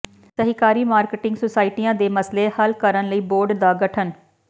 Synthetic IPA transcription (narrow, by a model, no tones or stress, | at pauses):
səɦikaːɾiːmaːɾkʈɪ̃ŋɡsoːsaːɪʈiːjãːd̪eːməsleːhəlkəɾənləiːboːɾɖd̪aːɡəʈʰən